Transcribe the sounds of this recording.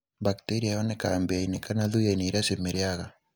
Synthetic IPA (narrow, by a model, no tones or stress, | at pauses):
bakteɾiajɔnekambeainekanaðujaineɾasemeɾeaɣa